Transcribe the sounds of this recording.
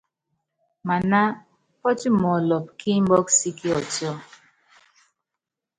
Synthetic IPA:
ma˨na˦ | pɔ˦ti˦mɔ˨lɔ˨p̚ki˦m̩˦bɔ˦ksi˦ki˦ɔ˨tɔ˦˨

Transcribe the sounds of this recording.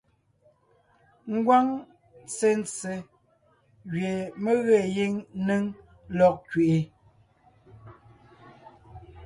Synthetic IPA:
ŋ̩˦ɡwa˦ŋ | t͡se˦n˦t͡se˨ | ɣɥe˨me˦ɣe˦˨ji˦ŋ˦nɨ˦ŋ | lɔ˦˨k̚kɥe˨ʔe˦

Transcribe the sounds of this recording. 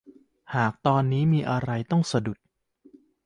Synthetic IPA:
haː˨˩k̚t̪ɔː˧nːiː˦˥miː˧ʔa˧ɾa˧jt̪ɔ˥˩ŋsa˧du˨˩t̪̚

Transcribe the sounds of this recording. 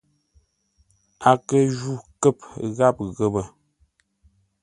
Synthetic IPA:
a˨kə˦d͡ʒu˦kə˦˨pɣa˦˨p̚ɣə˦˨bə˨

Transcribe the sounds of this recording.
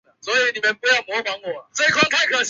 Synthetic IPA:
swɔ˧˥i˨˦ni˨˩mə˦npu˧jɑ˥˩ʊmɔ˧˦˥fɑ˧˦ŋwɔ˨˩˦t͡sə˥˨i˨˩kʰwa˥˧ŋk̪ʰa˥˩ɪkʰɤ˨˩ɕ

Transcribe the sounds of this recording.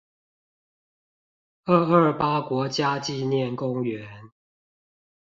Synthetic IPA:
ə˥˧ə˥˩pa˦kwɔ˨˥t͡ɕja˦t͡ɕi˥˨njɛ˥˨nkʊ˦˥ŋɥɛ˨˧˦n

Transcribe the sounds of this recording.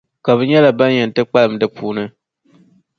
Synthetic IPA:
ka˨βɨ˨ɲɛ˦la˨ba˦njɛ˨n˨tɨ˦k͡pa˦lɨ˨m̩˨dɨ˦pʰuː˦nɨ˦

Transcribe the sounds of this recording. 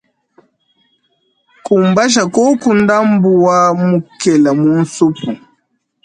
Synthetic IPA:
ku˨mba˦ʃ̬a˨kɔ˦ku˦nda˦mbu˨wa˦mu˨kɛ˨la˨mu˨˦n̩˦su˦pu˨

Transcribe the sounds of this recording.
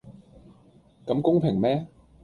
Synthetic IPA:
kɐ˨˥mkʊ˥ŋpʰɪ˨˩ŋmɛː˦˥

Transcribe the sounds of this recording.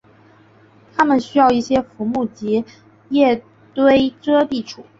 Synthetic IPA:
t̪ʰa˥mə˨nɕy˥jɑ˥˧ʊi˥˩ɕjɛ˥fu˧˥mu˥˩t͡ɕi˧˥ | jɛ˥˩ | t̪we˥ɪʈ͡ʂɤ˥t̪i˥˩ʈ͡ʂʰṵ˨˩˦

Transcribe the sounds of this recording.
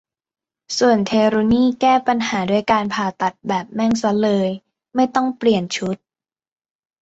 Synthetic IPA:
su˨˩ənt̪ʰeː˧ɾoː˧niː˥˩kɛː˥˩pa˧nhaː˩˦du˥˩əjkaː˧npʰaː˨˩t̪a˨˩t̪̚bɛː˨˩p̚mɛ˥˩ŋsa˦˥lɤː˧j | ma˥˩jt̪ɔ˥˩ŋpli˨˩ənt͡ɕʰu˦˥t̪̚

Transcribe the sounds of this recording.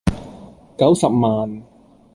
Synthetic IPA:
kɐ˨˥wsɐ˨p̚maː˨n

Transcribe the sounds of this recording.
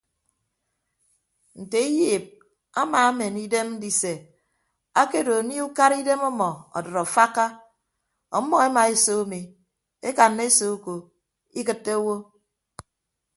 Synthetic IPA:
n̩˨te˨i˦jiː˦˨p̚ | a˦ma˨a˦me˨ni˦de˦m˦di˨se˨ | a˦ke˦do˨ni˦u˦ka˦ɾi˦de˦mɔ˦mɔ˨ɔ̰˨dɔ˨ɾɔ˨fa˦ka˦ | ɔ̰˨˦mɔ˦e˦ma˨e˦so˦mi˨ | e˦ka˨nːe˦so˦ko˨ | i˦k̬ɨ˨tːe˦o˦wo˦

